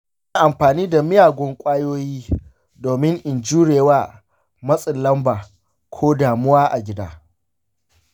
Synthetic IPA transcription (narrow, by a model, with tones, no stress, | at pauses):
naː˨ʔa˨mɸaː˨niː˦da˨mɪ˦jaː˨ɡʷɔ˦ŋkʷʼaː˦joː˦jiː˦ | doː˨mɪ˦ŋʔɪ˨nd͡ʒuː˦ɽeː˨waː˦ | mɐ˦sʼɪ˨lːɐ˦mbaː˨ | kʷʰoː˦daː˨mʊ˦waː˦ʔa˨ɡʲɪ˦da̰ː˦